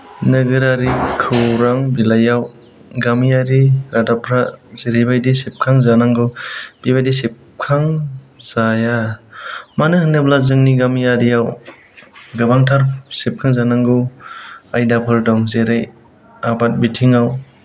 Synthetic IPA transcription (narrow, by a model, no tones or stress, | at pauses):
nɯɡɯɾaɾikʰɯwɾaŋbilajaw | ɡamijaɾiɾadapʰɾazeɾajbajdisep̚kʰaŋzanaŋɡɯb̥ibajdisep̚ | kʰaŋzaja | manɯhɯnɯblazɯŋniɡamijaɾijaw | ɡɯbaŋtʰaɾsep̚kʰaŋzanaŋɡɯwajdapʰɯɾdɔŋzeɾaj | abat̚bitʰiŋaw